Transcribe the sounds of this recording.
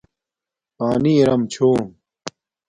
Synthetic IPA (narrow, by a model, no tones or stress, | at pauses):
paːniɾɐmt͡ɕʰoːm